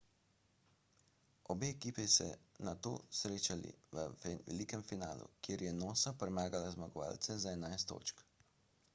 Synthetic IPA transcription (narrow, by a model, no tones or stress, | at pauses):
ɔbeːɛkiːpisɛ̰nat̪o̰ːsɾeːt͡ʃalḭʋəʋɛ̰likɛmfinaːlṵkjeːɾjɛnoːsapɾɛmaːɡalazmaɡɔʋa̰ːlt̪sɛzaɛnajst̪o̰ːt͡ʃk